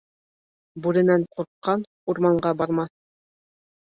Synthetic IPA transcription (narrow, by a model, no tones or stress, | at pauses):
buɾɘ̆næɴqʰuɾqːɑn | uɾmɑɴɢɑbɑɾmɑθ